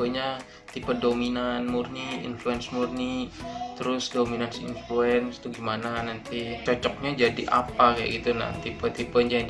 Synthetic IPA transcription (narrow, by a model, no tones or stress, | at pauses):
əɲa | t̪ipədominanmurniḭnfluɛnsmurnit̪əɾʊsdominansḭnfluɛnst̪uɡimananant̪it͡ʃɔt͡ʃɔk̚ɲad͡ʒadiʔa̰pakaja̰ɡit̪una̰t̪ipət̪ipənd͡ʒa